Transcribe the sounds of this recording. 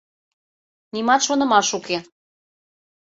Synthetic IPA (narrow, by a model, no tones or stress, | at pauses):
nimɑt̪ʃonə̆mɑʃuke